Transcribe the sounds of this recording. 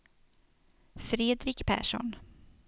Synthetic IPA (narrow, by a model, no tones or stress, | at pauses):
fɾeːd̪ɾɪkpʰæ̰ːʂɔ̰n